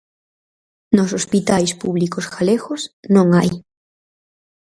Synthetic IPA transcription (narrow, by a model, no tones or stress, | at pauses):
nosospit̪ajspuβlikosɣaleɣosnõŋaj